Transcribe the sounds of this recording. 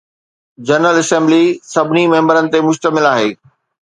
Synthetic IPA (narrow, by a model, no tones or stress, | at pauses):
d͡ʑɐɾnəlɐsɛ̃ːmblisɐbʱɪnimɐ̃ːmbəɾənɪ̆t̪emʊʃt̪əmɪlaːɦeː